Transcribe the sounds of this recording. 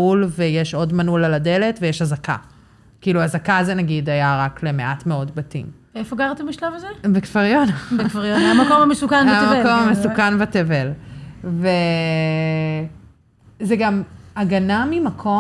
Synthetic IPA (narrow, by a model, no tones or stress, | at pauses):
ulvejeʃo̞dmanulalade̞le̞tvejeʃhazaka̰ | kiiːluazakazenaɡidajaʁakle̞me̞ʔatmeo̞dbatḭmvefoɡaʁt̪embiʃlavazebekfaʁjonfaʁjonamakomamesukanaamakomamesukanbatevelve | zeɡamaɡanamimakʰo̞